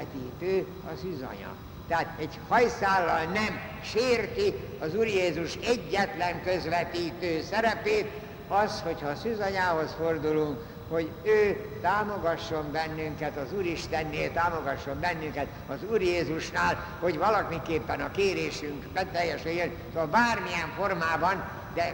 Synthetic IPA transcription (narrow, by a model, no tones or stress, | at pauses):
t̪iːt̪øː | ɒzyzɒ̰ɲɒ̰ | t̪ɛaːt̪ɛɟhɒjsaːlːɒlnɛm | ʃeːrt̪i | ɒzuːrjeːzuʃɛɟːɛt̪lɛŋkø̞zʋɛt̪iːt̪øːsɛɾɛpeːt̪ | ɒsho̞chɒːsyzɒɲaːɦo̞sfo̞rd̪uluŋk | ho̞ɟ | øː | t̪aːmo̞ɡɒʃːo̞mbɛnːyŋkɛt̪ɒzuːɾiʃt̪ɛnːeːlt̪aːmo̞ɡɒʃːo̞mbɛnːyŋkɛt̪ | ɒzuːrjeːzuʃnaːl | ho̞ɟʋɒlɒmikeːpːɛnɒkeːɾeːʃyŋkbɛt̪ɛjːɛʃɛjøn | soɒbaːrmiɛɱfo̞rmaːbɒn | d̪ɛ